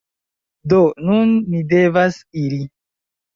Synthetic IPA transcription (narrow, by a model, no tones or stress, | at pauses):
donunːidevasili